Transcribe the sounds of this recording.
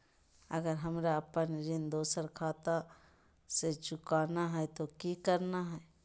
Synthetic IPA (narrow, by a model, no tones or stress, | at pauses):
ɐɡəɾɦɐmɾaɐpənɾɪnd̪oːsəɾkʰaːt̪a | set͡ʃʊkaːnaɦɛɛt̪okikəɾnaɦɛ